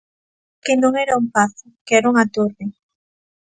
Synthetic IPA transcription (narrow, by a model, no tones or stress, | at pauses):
kɪnõŋɛɾaumpaθʊkɛɾuŋat̪oɾðɪ